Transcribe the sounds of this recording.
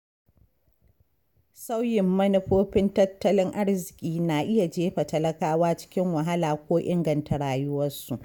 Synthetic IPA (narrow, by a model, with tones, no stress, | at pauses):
sa˦wjɪ˨mːɐ˦nɪ˦ɸoː˦ɸɪ˦ntɐ˦tːɐ˦lɪ˦ŋʔa˦ɽzɪ˨kʲʼiː˦naː˨ʔɪ˦ja˨d͡ʒeː˦ɸa˨tɐ˦lɐ˦kaː˦waː˦t͡ʃɪ̥˦kʲɪ˦ŋwɐ˨ɦa˦laː˨kʷoː˦ʔɪ˦ŋɡɐ˨nta˨ɽaː˨jʊ˦wɐ˦su˨ʔ